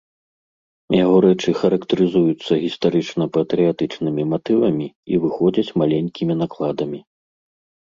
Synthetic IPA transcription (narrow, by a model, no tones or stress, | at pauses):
jaɣɔɾɛt͡ʂɨxɐɾɐkt̪ɐɾɨzujut̪sːɐɣʲist̪aɾɨt͡ʂnɐpɐt̪ɾɨjat̪ɨt͡ʂnɨmʲimat̪ɨvɐmʲiivɨxɔd͡zʲɐt͡sʲmalʲenʲkʲimʲin̪aklˠad̪ɐmʲi